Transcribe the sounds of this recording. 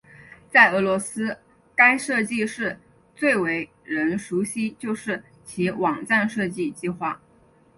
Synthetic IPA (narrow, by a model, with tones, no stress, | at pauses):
t͡sa˥˩ɪɤ˧˥lwɔ˧˥sɹ̩˥ | ka˥ɪʂɤ˥˧t͡ɕi˥˧ʂɻ̩˥˧ | t͡swe˥˩ɪwe˧˥ɪ | ɻə˧˥nʂu˧˥ɕi˥t͡ɕjo˥˧ʊʂɻ̩˥˩ | t͡ɕʰi˧˥wɑ˨˩ŋʈ͡ʂa˥˧nʂɤ˥˧t͡ɕi˥˧t͡ɕi˥˧xwa˥˩